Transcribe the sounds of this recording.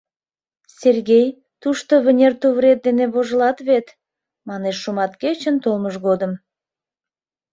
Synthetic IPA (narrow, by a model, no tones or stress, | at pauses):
sʲerɡʲej | t̪uʃt̪oβʲĕnʲert̪uβɾʲet̪̚d̪eneβoʒə̆lˠɑt̪βet̪ | mɑneʃːumɑt̪kʲet͡ɕənt̪olˠməʃɡod̪ə̆m